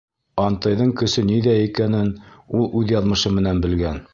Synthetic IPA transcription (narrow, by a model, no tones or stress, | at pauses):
ɑnt̪ɤ̆jðɤɴkɵ̆sɵniðæikænɘnulˠʉðjɑðmɤ̆ʃɤmɘ̆nænbɘ̆lɡæn